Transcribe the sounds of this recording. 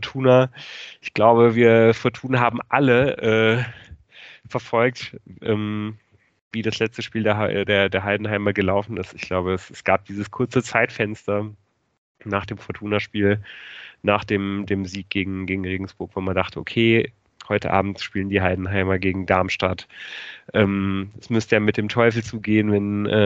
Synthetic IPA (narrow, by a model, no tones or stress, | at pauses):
ftʰuːnaʔɪçɡ̥laʊbəviːɐfɔɐtʰuːnaɦaːbm̩ʔaləʔɛː | fɛɐfɔlk̚tʔɛːm | viːdaslɛt͡stəʃpiːldeːɐdeːɐdeːɐɦaɪdn̩ɦaɪmɐɡəlaʊfn̩ɪstɪçɡ̥laʊbəɛsɛsɡ̥aːp̚d̥iːzəskʰʊɐt͡sət͡saɪtfɛnstɐ | naːχd̥eːmfɔɐtʰuːnaʃpiːl | naːχd̥eːmdeːmziːk̚ɡ̥eːɡŋ̩ɡeːɡŋ̩ʁeːɡŋ̩sb̥ʊɐkv̥oːmandaχtʰəʔokʰeː | hɔʏtə̰ʔa̰ːbm̩tʃpiːləndiːɦaɪdn̩ɦaɪmɐɡeːɡŋ̩daːɐmʃtatʔɛːmɛsmʏstəjaːmɪt̚d̥eːmtʰɔʏfl̩t͡suːɡeːənvɛnʔɛː